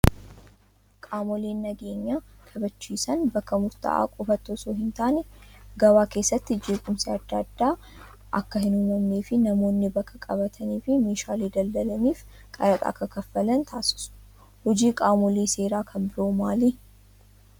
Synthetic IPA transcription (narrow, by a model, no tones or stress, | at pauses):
kʼaːmɔleːnːɐɡe̞ːɲːaːkʰʼɐbɐt͡ʃːiːsɐnbɐkːɐmʊɾt̪ɐ̰ʔa̰ːkʼɔfɐt̪ːoːsoːɦɪnt̪aːnɛɡɐwaːke̞ːsːɐt̪ːɪd͡ʒeːkʼʊmseːɐd̪ːɐɐd̪ːaː | ʔɐkːɐhɪnuːmɐmneːfɪnɐmo̞ːnːɪbɐkʰːɐkʼɐbɐt̪ʰɐniːfɪmeːʃaːliːd̪ɐld̪ɐlɐniːf | kʼɐɾɐt̪ʼa̰ːkɐkɐfːɐlɐnt̪ʰaːsɪ̥sʊ̥ | hɔd͡ʒiːkʼaːmɔliːse̞ːɾaːkʰɐmbɪɾoːmaːliː